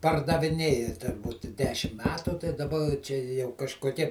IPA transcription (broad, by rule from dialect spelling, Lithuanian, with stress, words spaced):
pɐrdɐʋʲɪˈnʲeːjɛ tʲɛ ˈbʊtʲɪ ˈdʲæːʃʲɪm ˈmʲæːtʊ tɐɪ dɐˈbɐ t͡ʃʲɛ jɛʊ kɐʃkoːˈkʲiɛ